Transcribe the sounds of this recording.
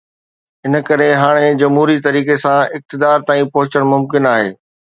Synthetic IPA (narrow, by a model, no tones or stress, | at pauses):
ɪnə̆kɐɾeɦaːɽ̃ed͡ʑɐmɦuːɾit̪ɐɾiːkesãɪk̚t̪ɪd̪aːɾt̪aːĩpɐɦʊt͡ɕəɽ̃mʊmkɪnaːɦḛː